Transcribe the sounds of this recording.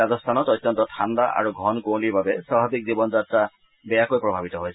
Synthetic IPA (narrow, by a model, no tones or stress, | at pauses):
azɔst̪ʰanɔt̪ɔt̪ːjɔnt̪ɔt̪ʰand̪aʔa̰ɹuɡʱɔnkowlibabeswabʱabik̚zibɔnd͡zat̪ɾa | bɛjakojpɾɔbʱabit̪ɔɦojt͡ʃʰ